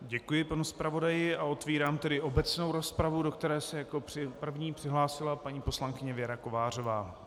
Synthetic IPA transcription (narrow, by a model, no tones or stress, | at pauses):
ɟɛkujɪpanuspɾavo̞dajɪao̞t̪viːɾaːmt̪ɛdɪʔo̞bɛt͡sno̞wɾo̞spɾavudo̞kt̪ɛɾɛːsɛjakopr̥ɪpr̩vɲiːpr̥ɪɦlaːsɪlapaɲiːpo̞slaŋkɪɲɛvjɛɾako̞vaːr̝o̞vaː